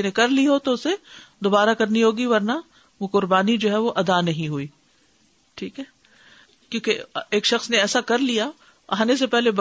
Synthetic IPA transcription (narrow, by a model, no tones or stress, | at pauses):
nẽkɐɾliɦot̪oʊsed̪oːbaːɾakɐɾniɦoːɡiʋɐɾna | ʋokʊɾbaːnid͡ʒoːɦɛʋoʔɐd̪anɐɦĩɦuiː | ʈʰiːkɦɛː | kjõːkeeːkʃɐxsneɛːsakɐɾlija | aɦanes̬epɛɦleb